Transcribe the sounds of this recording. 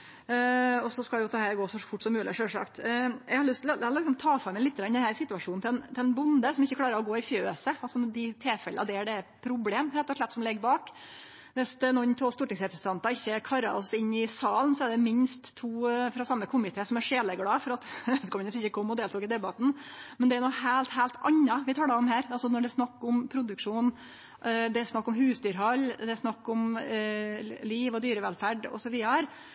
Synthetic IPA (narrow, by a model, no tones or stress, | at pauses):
ɔsɔskɑljʊt̪ʰɑhæːɾɡoːsɔfʊʈːsɔmːʉːlɪ̰ʂøːlʂɑ̰kt̪ɛ̰ɡhɑɾɭʏst̪ld̪ɑlɪksɔmt̪ʰɑːfɑmɛɪlɪt̪ːəɡɾɑnd̪ɛnhæɾsɪt̪ːʉɑʂuːnnt̪ɪlɛnt̪ʰɪlɛnbʊnd̪əsɔmɪçːəkʰlɑːɾəɾɔɡoːɪfjøːsəɑlsɔd̪ɪt̪ʰeːfɛləʔɑ̰d̪ɛæɖɛpʰɾʊbleːmɾɛt̪ːɔʂɭɛt̪ːsɔmlɛɡːbɑːk | ʋɛsnɔnːt̪ʰoːst̪uːʈɪŋsɾɛpɾsən̩t̪ʰɑnt̪ɑɪçːəkʰɑɾɑ̰ɾɔsɪnːɪsɑːln̩sɔɛɖɛmɪnst̪ʰːuːfɾɑsɑmːəkʰʊmɪt̪ʰɛːsɔmæʂeːləɡɽɑːfɔɾɑt̪œt̪kʰɔmʉnəsɪçəkʰɔmːɔd̪eːlt̪uːkɪd̪ɛbɑt̪nmɛnd̪ɛæɾnɔhæːlt̪hæːlt̪ʰɑ̰ɲːɑʋɪt̪ʰɑːlɑɔmɦæːɾɑlsɔnɔɖɛɾsnɑkːʊmpʰɾʊd̪ʉkʂuːn | d̪ɛæɾsnɑkːɔmɦʉːsd̪yːɾɦɑlːd̪ɛæɾsnɑkːʊm | liːʋɔd̪yːɾəʋɛlfæɖɔ̰sɔʋiːɑɾəɾ